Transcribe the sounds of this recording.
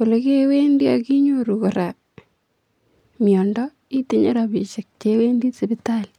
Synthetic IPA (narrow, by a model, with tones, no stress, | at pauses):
ko˨le˨ke˦we˦ndi˦a̰˨ki˦ɲo˦ɾu˨ko˨ɾa | mjɔ˨ndɔ˦ | i˦ti˦ɲḛ˦ɾa˨pi˨ʃɪ˨k̚t͡ʃewe˦ndi˦tsebɪtal